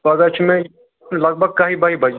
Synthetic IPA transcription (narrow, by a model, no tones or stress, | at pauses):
ɐɡət͡ʃʰmẽ | lɐɡ̚bʱəɡ̚kaːɦibʱaːibʱɐd͡ʒ